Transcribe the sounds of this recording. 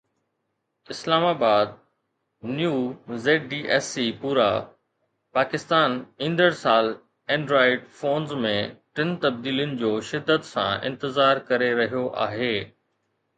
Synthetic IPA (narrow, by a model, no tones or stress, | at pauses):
ɪslaːmaːbaːd̪̚ | njuːzeːʈ̚ɖiːʔɛːsipuːɾa | paːkɪst̪aːnĩːnd̪əɾsaːl | ɛ̃ːɳɖɾaːɪɖfoːnzmẽʈɪnt̪ɐb̚d̪iːljʊnɪ̆d͡ʑoːʃɪd̪ːət̪sã̰ʔɪ̰̃nt̪ɪzaːɾkɐɾeɾɐɦijoʔa̰ːɦeː